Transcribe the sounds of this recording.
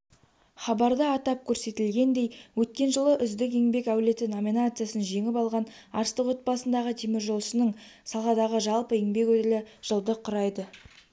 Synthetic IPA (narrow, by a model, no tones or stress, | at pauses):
χɑbɑɾd̪əɑt̪ɑp̚kʲʰɵɾse̞t̪ɪlɡʲe̞nd̪e̞jwɵt̪̚kʲe̞nʒəlˠəʔʏzd̪ɪkeŋbe̞kæwle̞t̪ɪno̞mʲinat̪sɨjasənʒe̞ŋɪpɑlˠʁɑn | ɑ̰ɾst̪əqwot̪̚bɑsənd̪ɑʁət̪ʰimɪɾʒo̞lˠʃənəɴsɑlˠʁɑd̪ɑʁəʒɑlˠpəeŋbe̞kwɵt̪ɪlɪʒ̥əlˠd̪əqʰʊɾɑjd̪ə